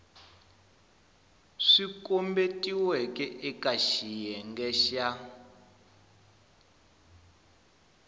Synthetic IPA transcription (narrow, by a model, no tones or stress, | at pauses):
ʂikʼombetʼiwɛkʼɛʔɛkʼaʃijɛŋɡɛʃa